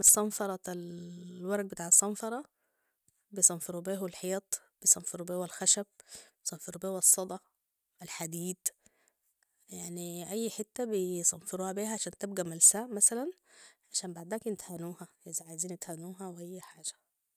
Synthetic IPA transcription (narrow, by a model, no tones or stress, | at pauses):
esˤːɑnfɑɾˤɑælwɑɾˤɡ̚bet̪aːʕɑsˤːɑmfɑɾˤɑ | bejsˤɑnfeɾubeːɦwelħejt̪ˤ | b̥ejsˤɑnfeɾubeːwælxæʃæb̚bjsˤɑnfeɾubeːwæsˤːɑd̪ˤɑ | ɪlħad̪iːd̪ | jaʕniʔæjːħet̪ːæbesˤɑnfeɾuːhæbiːhæʕaʃæːnt̪ebɡæmælsæːʔmæsælænʕaʃæːmbaʕd̪æːknɪt̪hænuːhæʔezaʕajziːnɪt̪hænuːɦæwʔæjːħaːʒæ̥